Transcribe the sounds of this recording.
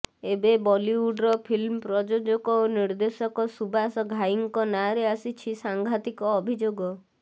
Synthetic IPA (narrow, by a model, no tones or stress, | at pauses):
ebebɔliwuɖɾɔpʰilmpɾɔd͡ʒod͡ʒɔkɔoniɾd̪esɔkɔsubasɔɡʱaiŋkɔnaɾeasit͡ʃʰisaŋɡʱat̪ikɔːbʱid͡ʒoɡɔ